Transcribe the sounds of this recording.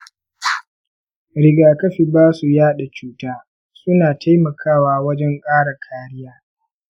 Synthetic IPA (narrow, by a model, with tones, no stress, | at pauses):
ɽɪ˦ɡaː˨kɐ˦ɸiː˨baː˦su˨jaː˦ɗa˨t͡ʃuː˦taː˦ | sʊ˦naː˨tʰa˦jmɐ˨kʰaː˦waː˦wɐ˦d͡ʒɛ˦ŋkʼaː˦ɽa˨kʰaː˦ɽɪ˦jaː˦